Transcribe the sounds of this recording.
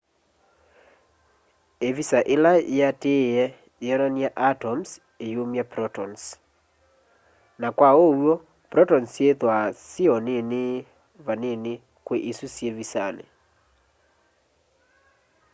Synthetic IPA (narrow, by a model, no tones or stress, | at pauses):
evisaʔelaeateɛ | eɔnaniaʔatɔms | ejomjapɾɔtɔns | nakwaowɔ | pɾɔtɔnsjeðwasiɔnene | vanene | kweʔisusjevisanḛ